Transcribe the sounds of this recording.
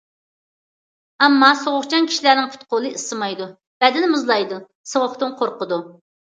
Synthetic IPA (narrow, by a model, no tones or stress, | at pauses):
ɛmːɑsoʁʊχt͡ʃʰɑnkʲʰi̥ʃilæɾnɪŋpʰʊ̥t̪̚qolˠɨisɨmɑjd̪u | b̥ɛd̪ɪnɪmɨzlˠɑjd̪u | səʁʊχt̪ɨnqʰoɾqʊd̪u